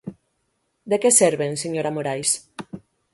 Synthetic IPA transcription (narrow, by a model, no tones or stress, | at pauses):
d̪ekeseɾβenseɲoɾamoɾajs